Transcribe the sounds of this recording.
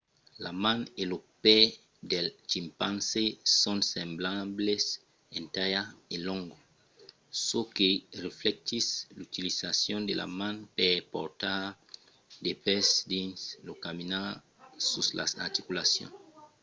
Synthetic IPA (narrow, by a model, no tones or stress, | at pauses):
lamanelopɛ | d̪elt͡ʃimpansesonsemblables | ent̪ajaelõŋɡo | sokereflek̚t̪islut̪ilisasjond̪ela̰manpepo̰ɾt̪aɾ | d̪epesd̪inslokamina | susla̰saɾt̪ikulasjo̰n